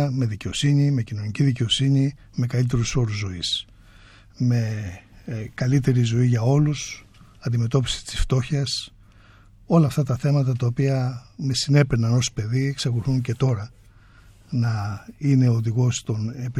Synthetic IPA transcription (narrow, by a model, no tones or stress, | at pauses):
me̞ðice̞o̞siɲime̞cino̞ɲiciðice̞o̞siɲi | me̞kɐlit̪̬e̞ɾuso̞ɾuzːo̞is | me̞ | kɐlit̪e̞ɾizo̞iʝɐo̞lus | ɐnd̪ime̞t̪o̞pi̥si̥t̪i̥sft̪o̞çɐs | o̞lɐːft̪ɐt̪ɐθe̞mɐt̪ɐt̪ɐopiɐme̞sine̞penɐno̞spe̞ðieksɐkuθuŋce̞t̪o̞ɾɐ | nɐine̞oðiɣo̞st̪o̞ne̞pi